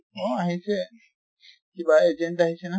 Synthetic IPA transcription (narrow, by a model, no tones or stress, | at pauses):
oaɦise | kibaed͡ʒeɳʈaɦisena